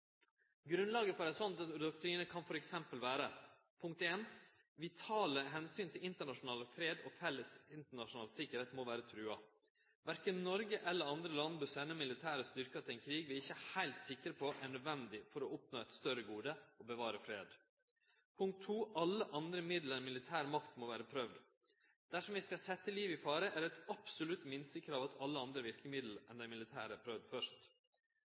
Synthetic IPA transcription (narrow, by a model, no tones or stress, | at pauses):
ɡɾʉnlɑːɡəfɔɾæsɔnt̪ɑt̪d̪ɔk̚t̪ʰɾiːnəkʰɑnfɔɾɛksɛmpəlʋæːɾə | pʰʊŋk̚t̪eːn | ʋɪt̪ʰɑːləɦɛnsyːnt̪ʰɪlɪnt̪əɳɑʂʊnɑːləfɾeːd̪ɔfɛlːəsɪnt̪əɳɑʂʊnɑːlsɪkəɾheːt̪moːʋæːɾət̪ʰɾʉːɑ | ʋæɾkənːɔɾɡəʔɛlːəɾɑnd̪ɾəlɑnːbʉsɛnəmɪlɪt̪ʰæːɾəst̪ʏɾkɑt̪ʰɪlɛɪnkʰɾiːɡʋɪɾɪçəhæɪlt̪sɪkɾəpʰɔʔæɳœd̪ʋɛnd̪ɪfɔɾɔɔpnoːɛt̪st̪œɾəɡuːd̪əɔbəʋɑːɾəfɾeːd̪ | pʰʊŋk̚t̪ʰːuːʔɑlːəʔɑnd̪ɾəmɪd̪ləɾɛnmɪlɪt̪ʰæːɾmɑkt̪moʋæːɾəpʰɾœʋd̪ | d̪̥æʂɔmʋɪskɑsɛt̪ːəliːʋɪfɑːɾəʔæɾɛt̪ɑpsʊlʉt̪mɪnst̪əkʰɾɑːʋɑt̪ʰɑlːəɑnd̪ɾəʋɪɾkəmɪd̪l̩ʔɛnd̪æɪmɪlɪt̪ʰæ̰ːɾæpʰɾœʋd̪fœʂt̪